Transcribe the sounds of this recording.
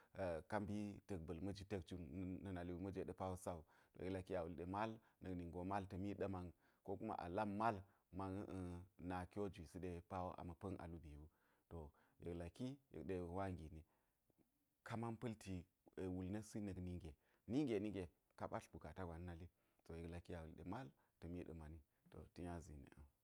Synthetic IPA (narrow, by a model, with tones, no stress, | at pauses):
ka˦mbi˦tə˨k̚bə˨lmɐ˦d͡ʒi˦te˦k̚t͡ʃu˦nː˦ɐ˦na˨li˦wu˦mɐ˦d͡ʒe˦ɗe˦pa˦wo˦sa˦u˨to̰˨je˨kla˨ki˦a˨wu˨lɗe˨ma˦lnə˨ni˨ŋɡo˨ma˦ltə˨mi˦ɗə˦ma˨ŋ | ko˦ku˦ma̰˦ʔa̰˨la˦mma˦l | ma˦ŋ˦ʔna˨kʲo˦d͡ʒʷi˨si˦ɗe˦pa˦wo˦ʔa̰˨mɐ˨pə˦ŋʔa̰˨lu˦bi˨u˦ | to˨jə˨kla˨ki˦jḛ˨kɗe˦˨wa˦ŋɡi˨ni˨ | ka˦ma˦npə˦lti˨ | wu˨lnɐ˦si˦nə˨ɡni˦ŋɡe˨ | ni˦ŋɡe˨ni˦ŋɡe˨ | ka˦ɓa˦ɬbu˨ka˨ta˦ɡʷa˨n˦na˦li˦ | to˨je˨kla˨kːi˦a˨wu˨lɗḛ˨ma˦l | tə˨mi˦ɗə̰˨ma˨ni˦ | to̰˨ti˦ɲa˦zḭ˨nḛ˨ə̰˨